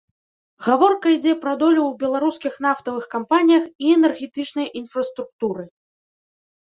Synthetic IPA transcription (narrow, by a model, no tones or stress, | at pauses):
ɣavɔrkɐid͡zʲɛpɾɐd̪ɔlʲuwbʲɛlˠaɾuskʲixn̪aft̪ɐvɨxkampanʲijɐxiɛnɛrɣʲɛt̪ɨt͡ʂnɐjʔinfɾɐst̪ɾuk̚t̪uɾɨ